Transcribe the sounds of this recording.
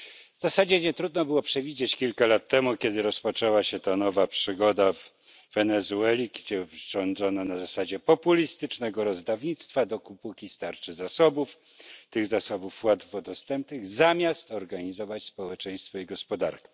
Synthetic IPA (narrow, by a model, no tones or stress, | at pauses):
vzasad͡ʑɛɲɛt̪ɾud̪nɔbɘwɔpʂɛvʲid͡ʑet͡ɕkʲilkalat̪ːɛmukʲɛd̪ɘɾɔspɔt͡ʂɛwaɕɛt̪anɔvapʂɘɡɔd̪av | vɛnɛzuɛlʲiɡd͡ʑɛvʐɔnd̪zɔnanazasad͡ʑɛpɔpulʲist̪ɘt͡ʂnɛɡɔɾɔzd̪avɲit̪st̪fad̪ɔkupukʲist̪aɾt͡ʂɘzasɔbuf | t̪ɘɣzasɔbufwad̪vɔd̪ɔst̪ɛmp̚nɘɣzamʲjast̪ɔɾɡaɲizɔvat͡ɕspɔwɛt͡ʂɛj̃st̪fɔiɡɔspɔd̪a̰ɾkʲɛ̥